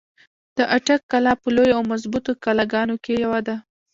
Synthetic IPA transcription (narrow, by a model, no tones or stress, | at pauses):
d̪̥əʔaʈakːalɑpəlojoawmazbut̪okalaɡɑnokejawad̪a